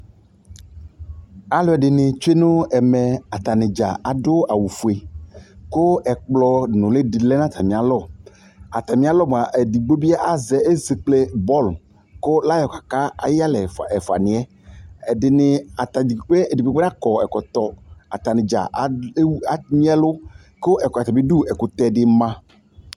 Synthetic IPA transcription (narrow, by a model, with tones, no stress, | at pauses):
a˦lɔ˨˦ɛ˨ɖɪ˨nɪ̃˨t͡ʃe˦nõ˦ɛ˨me˨a˨t̪a˨nɪ̃˨d͡ʒa̰˨ʔa˨ɖo˦a˨wu˨fu˨e˨ko˦ɛ˨k͡plɔ˦nʊ̃˨le˦di˨le˦nã˦t̪ʰa˨mĩ˨a˨lɔ˦˨ | a˨t̪a˨mĩ˦a˨lɔ˦m̃˨a˨ʔe˨di˨ɡ͡bo˦bi˦a˦ʔa˨zɛ˨e˦ze˨k͡ple˦bɔ˦˨l | ko˦la˦jɔ˨kḁ˨ka˦a̰˨ja˦lɛ˨ɛ˨fo˨a̰˨nĩ˨ɛ˦ | ɛ˨ɖɪ˨nɪ̃˨a˨t̪a˨i˨˦k͡pe˦e˨di˨ɡ͡bo˦ɡ͡be˦nã˦kɔ˨ɛ˨kɔ˨t̪ɔ˦a̰˨t̪a˨nɪ̃˨d͡ʒa̰˨ʔa˨mĩ˦a˦lo˦ | ko˦ʔɛ˨kɔ˨a˨t̪a˨bi˦ɖu˦ɛ˨ko˨t̪ɛ˦˨dɪ˦mã˦